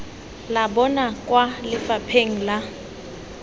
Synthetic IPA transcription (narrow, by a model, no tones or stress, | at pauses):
labɔnakʼwalɪfapʰeŋ̩la